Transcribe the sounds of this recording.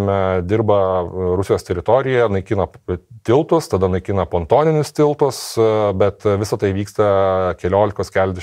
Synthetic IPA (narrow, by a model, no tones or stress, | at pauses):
mʲɛd̪ʲɪrbɐɾʊsʲɪjoːst̪ʲɛɾʲɪt̪oːɾʲɪjɛnɐɪkʲɪːnɐt̪ʲɪlˠt̪ʊst̪ɐd̪ɐnɐɪkʲiːnɐpoːnt̪oːnʲɪnʲʊst̪ʲɪlˠt̪ʊsbʲɛt̪ʋʲɪsɐt̪ɐɪʋʲiːkst̪ɐkʲɛlʲoːlʲɪkoːskʲæːlʲɛd̪ʲɛ